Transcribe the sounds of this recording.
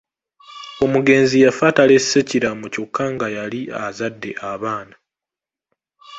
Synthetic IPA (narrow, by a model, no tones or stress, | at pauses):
o̞muɡe̞ːnzijafatale̞sːeciɾamoco̞kʰːaŋɡajaliazadːe̞ʔaβaːna